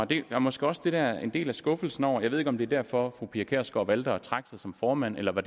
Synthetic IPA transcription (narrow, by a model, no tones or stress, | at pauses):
ɒd̥e̝æɐmɒ̽sɡ̥eɒ̽sd̥e̝d̥æɐe̝nde̝̰ːlæsɡ̥ɔ̽fl̩sn̩ɒʊ̰ɐjɑ̈e̝ðˠe̝ɡ̥ɒ̽md̥e̝æɐd̥æɐ̰fɒ̽fʁupʰiɐkʰæɐ̰sɡ̥ɒʋæld̥ɐt͡sʰʁɑ̈ɡ̥sæsɒ̽mfɒːmæn̰elɐʋæd